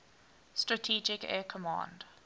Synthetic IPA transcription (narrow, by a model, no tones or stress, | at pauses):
stɹətʰiːd͡ʒɪkɛ̰ːkʰəmã̰ːnd